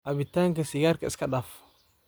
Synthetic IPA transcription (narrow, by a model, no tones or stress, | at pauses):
abitːaŋkasiɡaɾkaskadaf